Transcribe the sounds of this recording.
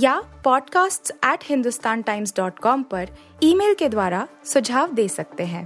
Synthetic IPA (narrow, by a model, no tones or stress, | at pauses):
jaːpɔːɖkaːsʈsɛːʈhɪ̃nd̪ʊst̪aːnʈaːɪmsɖɔːʈkɔːmpɐɾ | iːmeːlked̪waːɾasʊd͡ʒʱaːʋd̪eːsɐk̚t̪eɦɛ̃ː